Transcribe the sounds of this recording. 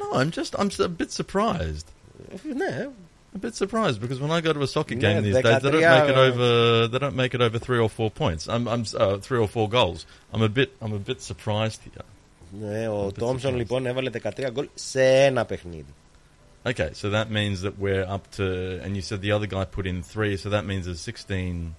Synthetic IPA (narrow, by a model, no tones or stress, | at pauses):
noʊãɪ̃md͡ʒʌstã̰ɪ̃msəbɪtsə˞pʰɹ̥aɪzd̥ | ne | əbɪtsə˞pʰɹ̥aɪzdbɨkʰʌzwə̃naɪɡoʊɾəəsɑkɨt̚ɡẽɪ̃mðizðdeɪzðədõʊ̃meɪɨɾoʊvə˞ðedõʊ̃ntmeɪkɨɾoʊvə˞θɹiə˞fɔɹpʰɔ̃ɪ̃ntsã̰ɪ̃mãɪ̃mʌθɹiə˞fɔɹɡoʊlˠz | ãɪ̃məbɪɾãɪ̃məbɪtsə˞pʰɹ̥aɪzd̥̚hḭɹ | neot̪omsõnliponevɐleðekɐt̪ɾiɐɡolseenɐpexnḭði | oʊkʰeɪsoʊðət̚mĩnzðɨʔ̚wiɹʌp̚tʰɨə̰̃njɨsɛd̪̚ðiʌðə˞ɡaɪpʰʊɾɨ̃nθɹisoʊðət̚mĩnzðəz̥sɪkstĩn